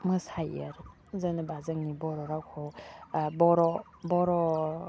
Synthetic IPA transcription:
mɯsajəɾ | zənɯbazaŋnibɔɾɔɾakʰɔ | bɔɾɔ | bɔɾɔ

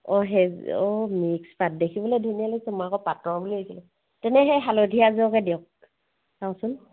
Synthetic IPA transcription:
ɔɦɛɔmikspat̚dekʰibɔlejdʱunialojsɛmɔakɔpatɔbuliɦojsilɛ | tɛnɛɦɛjɦalodʱijaziɔkɛdiɔk̚ | saw̃sʊn

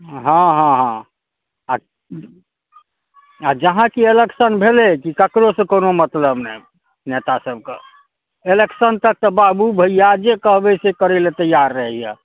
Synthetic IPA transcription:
ɦãɦãɦã | a | ad͡ʒəɦãkieleksənbʱelekikəkɾosẽkonomət̪ləbnɛj | net̪asəb̚ʱkḛ | eleksənt̪ək̚t̪ɔbabubʱəijad͡ʒekəɦbɛsekəɾɛlet̪əjaɾːəɦɛja̰

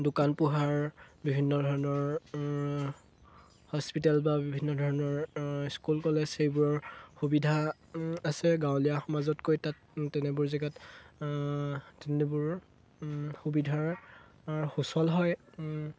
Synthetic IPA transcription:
dukanpuɦaɹbibʱinːɔdʱɔɹɔnɔɹ | hɔspitalbabibʱinːɔdʱɔɹɔnɔɹskulkɔlɛzxejbʊɹɔɹxubidʱa | asɛɡawlijaxɔmazɔtkojtat | tɛnɛbʊɹzɛɡat | tɛnɛbʊɹ | xubidʱaɹ | aɹxusɔlɦɔj

